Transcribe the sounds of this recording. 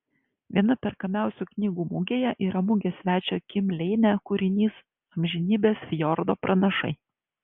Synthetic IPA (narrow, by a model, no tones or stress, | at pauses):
ʋʲiɛnɐpʲɛɾkɐmʲæˑʊsʲuːknʲiːɡuːmʊɡʲeːjɛʔiːɾɐmʊɡʲesʲʋʲæːt͡ʃʲoːkʲɪmʲlʲɛɪnʲækʊɾʲɪnʲiːs | ɐmʲʒʲɪnʲiːbʲeːsʲjɔɾd̪oːpɾʔɐnɐʃɐ̰ɪ